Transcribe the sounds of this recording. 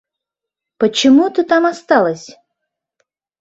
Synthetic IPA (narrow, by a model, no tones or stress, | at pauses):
pət͡ɕɪmut̪ɨt̪ɑmast̪ɑlˠəsʲ